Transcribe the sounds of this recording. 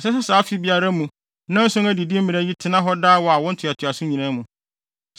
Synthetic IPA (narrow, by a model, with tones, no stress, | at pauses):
sɛ˦sɛ˦saː˨˦fi˨˦bi˨a˨ɾa˦mũ˨ | nã˦n̩˦sʊ̃˦ŋæ˦di˨di˦m̩˦ɪ̃˨ɾa˦ji˦tʰɪ˦nã˦ɦɔ˦daː˦wɔ˨a˨wɔ̃˦n̩˦tʰʊ˨a˨tʰʊ˨a˨sʊ̃˦ɲĩ˨nã˦mũ˨